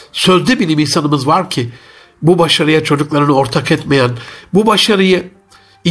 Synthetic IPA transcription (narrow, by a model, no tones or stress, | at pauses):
søzd̪ʲɛbilʲiminsanɯmɯzvaɾcʰɪ | bubaʃaɾɯjat͡ʃʰo̞d͡ʒuklˠaɾɯnɯo̞ɾt̪ʰakɛt̪me̞jænbubaʃaɾɯjɯ | i